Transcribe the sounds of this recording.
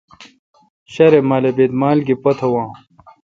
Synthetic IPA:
ɕɐɾemaːlebeːd̪maːlɡipɐt̪ʰɐwãː

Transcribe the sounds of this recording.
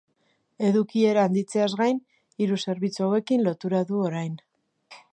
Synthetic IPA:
e̞ðukie̞ɾaːnd̪it͡se̞azɣajn | iɾuse̞ɾβit͡suawe̞kinlo̞t̪uɾaðuo̞ɾajn

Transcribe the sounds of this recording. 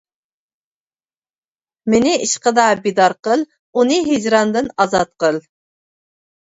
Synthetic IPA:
mɪnɪiʃqəd̪ɑbid̪ɑɾqəlˠ | unɨɦid͡ʒɾɑnd̪ɨnɑzɑt̪̚qəlˠ

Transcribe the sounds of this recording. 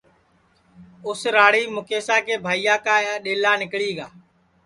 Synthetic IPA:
ʊsɾaːɽiːmʊkeːsaːkeːbʱaːijaːkaːɗeːlaːnɪkɭiːɡaː

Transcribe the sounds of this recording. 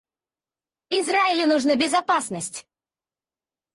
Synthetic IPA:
izraɪlʲɪnuʐnəbʲɪzapasnəsʲtʲ

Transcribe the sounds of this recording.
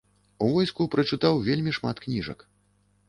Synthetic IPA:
uvɔjskupɾɐt͡ʂɨt̪awvʲelʲmʲiʂma̰t̪knʲiʐɐ̰k

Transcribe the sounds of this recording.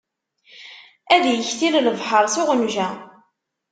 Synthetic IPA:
æðjəçθilləvħəɾˤsʊʁənʒæ

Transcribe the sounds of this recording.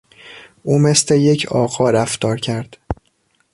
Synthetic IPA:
ʔuːme̞sle̞je̞cʰɒːɣɒːɾæft̪ɒːɾcʰæɾd̪̥

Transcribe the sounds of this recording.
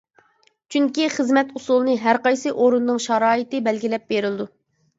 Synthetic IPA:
t͡ʃʰyŋkʲiχəzmɛt̪usulˠɨnɨɦæɾqɑjsɨʔoɾunnɨŋʃɑɾɑːit̪ɪbɛlɡʲilɛp̚beɾɪlɨd̪u

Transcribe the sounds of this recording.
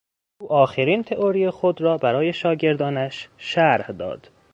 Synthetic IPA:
ʔuːʔɒːxeɾiːnt̪ʰe̞ʔoɾijexod̪ɾɒːbæɾɒːje̞ʃɒːɟe̞ɾd̪ɒːnæʃʃæɾhd̪ɒ̰ːd̪̥

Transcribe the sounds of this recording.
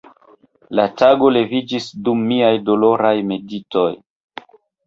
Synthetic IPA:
lataɡo̞le̞vid͡ʒisdumːiajdo̞lo̞ɾajme̞dito̞j

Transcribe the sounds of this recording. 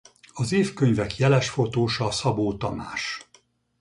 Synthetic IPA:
ɒzeːfkøɲvɛkjɛlɛʃfo̞t̪oːʃɒsɒboːt̪ɒna̰ːʃ

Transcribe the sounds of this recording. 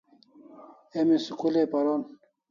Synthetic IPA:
emisikulepɐɾon

